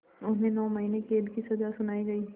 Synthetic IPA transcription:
ʊnɦẽnɔːmɐɦinekeːlkisɐzasʊnaːiɡɐiː

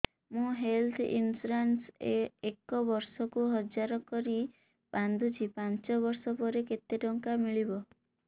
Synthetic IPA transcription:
mũɦelt̪ʰḭnsɾansḛekɔbɔɾsɔkuɦɔd͡ʒaɾɔkɔɾi | band̪ʱut͡ʃipant͡ʃɔβɔɾsɔpɔɾeket̪eʈɔŋkamiɭibɔ

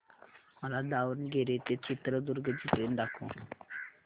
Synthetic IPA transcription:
məlad̪aʋənɡeɾet̪et͡ɕit̪ɾəd̪uɾɡəd͡ʑiʈɾend̪akʰõ̰

